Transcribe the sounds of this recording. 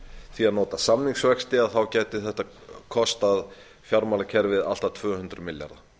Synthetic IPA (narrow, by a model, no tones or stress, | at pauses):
θiaðnɔːt̪asamniŋksvɛkst̪ɪaðθawcɛːt̪ɪθɛht̪akʰɔst̪að | fjaɾmalacʰɛɾvɪða̰l̥t̪at̪ʰvœːhʉnt̪ɾʏmɪlja̰ɾða